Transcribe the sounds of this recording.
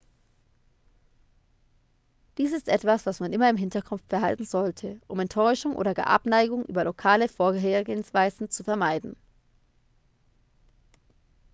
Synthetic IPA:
d̥iːsɪstʔɛtv̥asv̥asmanʔɪmɐɪmɦɪntɐkʰʊpftb̥ɛɐɦa̰ltn̩zɔltʰəʔʊmɛntʰɔʏʃʊŋʔo̰ːdɐɡa̰ʔa̰pnaɪɡʊŋʔy̰ːbɐlokʰaːləfoːɐɡɦeːɐɡeːənsv̥aɪzn̩t͡sufɛɐmaɪdn̩

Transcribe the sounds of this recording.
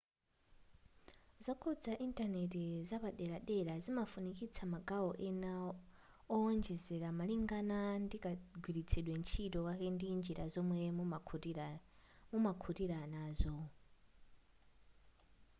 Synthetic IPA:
zʷɔkʰɔd͡zaʔintʼanetizaβaɗɛɺaɗɛɺazimafunikʼit͡sʰamaɡaɔʔɛna | ɔɔnd͡ʒɛzɛɺamaliŋɡanandikʼaɡwiɾit͡sʰɛɗwɛnt͡ʃʰitɔkakɛndind͡ʒiɾazɔmwɛ | mumakʰutiɾanaːzʷɔ

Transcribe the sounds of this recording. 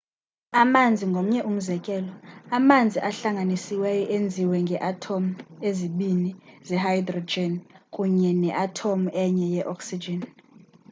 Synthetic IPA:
amand͡zʱiŋɡʱom̩ɲɛʔum̩zɛkʼɛlɔamand͡zʱiʔaɬaŋɡanisiwɛjɔʔend͡zʱiwɛŋɡʱɛʔatʰomueziɓinizɛhajdrɔd͡ʒɛnkʼuɲɛnɛʔatʰomuɛɲɛjɛʔɔksid͡ʒɛn

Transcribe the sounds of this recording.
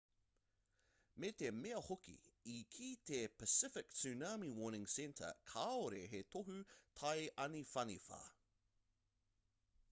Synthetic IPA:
met̪ʰemeɐhʊkḭikʰiːtʰepʰəsɪfɪksʉnaːmiwɔːnɪ̃ŋsɛntʰə̰kʰaoɾeɦetʰoɦʉtʰajʔɐnifɐnifɐ̰

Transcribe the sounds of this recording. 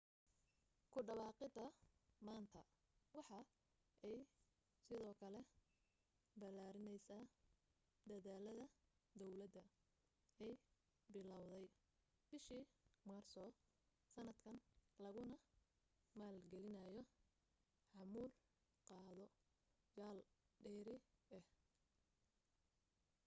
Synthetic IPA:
kʰʊɖɐβɑːqɪd̪ɐmaːnt̪ʰɐ | wɑħɑ | ʔɛj | sɪðɔːkʰɐlɛ | bɐlaːɾɪnɛjsaː | d̪ɐðaːlɐðɐd̪ɔwlɐd̪ɐ | ɛj | bɪlɐwðɛj | b̥ɪʃiːmɐːrsɔː | sɐnɐd̪kʰɐnlɐɣʊnɐ | maːlɡɛlɪnɐjɔ | ħɑmuːl | qɑːðɔ | jaːlɖɛːɾɪɛh

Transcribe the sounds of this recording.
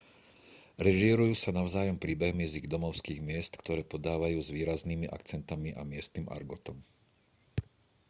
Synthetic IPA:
ɾɛʒiɾujuːsanaʊzaːjɔmpɾiːbɛɦmiziɣd̪ɔmɔʊskiːɣmɪɛst̪kt̪ɔɾɛːpɔd̪aːʋajuːzʋiːɾazniːmiʔa̰kt͡sɛnt̪amiʔa̰mɪɛst̪niːmʔa̰ɾɡɔt̪ɔm

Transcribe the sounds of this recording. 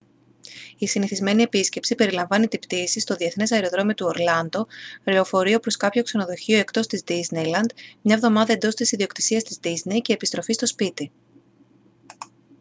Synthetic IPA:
isiniθizme̞nie̞pisce̞psipe̞ɾilɐɱvɐnit̪ibt̪iːsist̪o̞ðie̞θne̞sɐeɾo̞ðɾo̞mio̞t̪uoɾlɐnd̪o̞ɾeo̞fo̞ɾio̞pɾo̞skɐpço̞kse̞no̞ðo̞çio̞e̞kt̪o̞st̪izd̪iznejlɐnd̪mɲɐvðo̞mɐðɐend̪o̞st̪isiðio̞kt̪i̥siɐst̪izd̪izne̞jce̞ːpist̪ɾo̞fist̪o̞spit̪i

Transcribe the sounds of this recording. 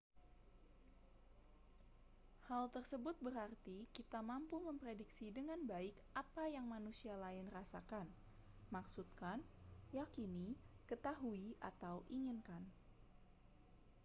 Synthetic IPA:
halt̪ərsəbʊt̪̚bəɾart̪ikit̪amampuməmpɾediksidəŋanbaɪkʔapajaŋmanusialaɪnrasakan | maksut̪̚kanjakinikət̪aɦuiʔa̰t̪awʔiŋinkan

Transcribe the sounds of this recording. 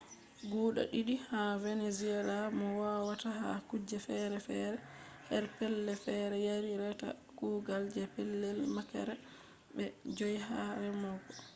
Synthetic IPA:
ɡuːɗa̰ɗiɗihaveneziɛlamɔwawataɦa̰kud͡ʒɛfɛɾɛfɛ̰ɾɛ | hɛɾpɛlːɛfɛɾɛjaɾiɾɛta̰ | kuːɡald͡ʒɛpɛlːɛlmakɛ̰ɾɛ | bɛd͡ʒojiɦaɾɛmɔɡɔ

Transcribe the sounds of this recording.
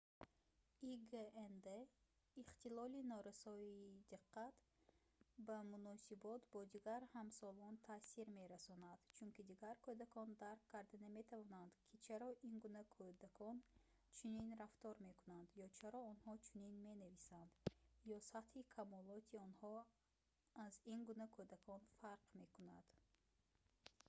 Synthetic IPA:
iɡeend̪e | iχt̪ilɔlinɔɾasɔid̪iqʰːat̪ | bamunɔsibɔt̪bɔd̪iɡaɾhamsɔlɔnt̪ʰasiɾme̞ɾasɔnad̪̥t͡ʃʰunkid̪iɡaɾkʰod̪akʰɔnd̪aɾkʰːaɾd̪aname̞t̪ʰavɔnand̪kʰit͡ʃʰaɾɔʔinɡunakʰɔd̪akʰɔn | t͡ʃʰuninɾaft̪ɔɾme̞kunand̪jɔt͡ʃʰaɾɔɔnhɔt͡ʃʰuninme̞navisand̪̥jɔsat̪hikʰamɔlɔt̪ʰiɔnhɔ | azinɡunakʰɔd̪akʰɔnfaɾqme̞kunad̪̥

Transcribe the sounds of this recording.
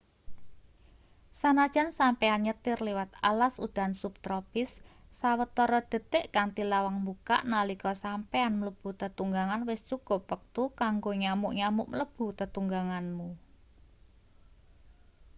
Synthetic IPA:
sanad̥ʒ̥a̤nsampeanɲət̪ɪrliwat̪alasud̪̥a̤nsup̚t̪ɾɔpɪsːawət̪ɔɾɔd̪̥ə̤t̪ɪʔkaŋt̪ilawaŋmbuka̰ʔnalikɔsampeanmələb̥ṳt̪ət̪uŋɡaŋanwɪst͡ʃuɡ̥o̤pwək̚t̪ukaŋɡoɲamʊʔɲamʊʔmələb̥ṳt̪ət̪uŋɡaŋanmu

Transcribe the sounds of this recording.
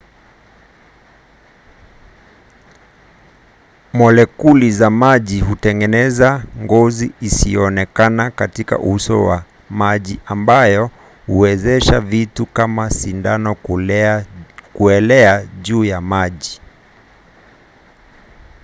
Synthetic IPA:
mɔlɛkulizamaʄiɦutɛŋɡɛnɛzaŋɡɔziisiɔɔnɛkanakatika̰ʔuhusɔ̰wa̰ | maʄiambajɔ | huwɛzɛʃavitukamasindanɔ | kuɛlɛaʄuːjamaʄi

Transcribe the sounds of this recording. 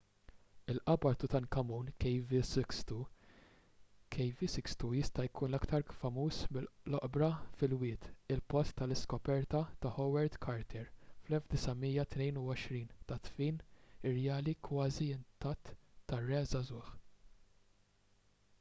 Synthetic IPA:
ɪlʔɐbɐɾt̪ut̪ɐŋkɐmuːnkjvisst̪u | kʰɛjvisɪkst̪ujɪst̪ɐjkʰuːnɐkt̪ɐɾfɐmuːsmɪlɔʔbɾɐfɪlwɪːt̪ɪlpɔst̪ːɐlɪskɔpɛɾt̪ɐt̪ɐħɔwɛɾd̪kʰɐɾt̪ʰɛɾflɛlfd̪ɪsɐmiːjɐt̪nɛjnuɔʃɾiːnt̪ɐt̪fiːnɪrːɛjɐːlikwɐːziɪnt̪ɐt̪ːɐrːɛːzɐzʊːħ

